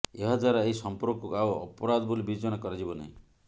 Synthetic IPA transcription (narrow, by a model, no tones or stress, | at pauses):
eɦɔd̪aɾaeisɔmpɔɾɔkukawɔ̰pɔɾad̪ɔbolibid͡ʒɔɽ̃akɔɾad͡ʒibɔna̰ɦĩ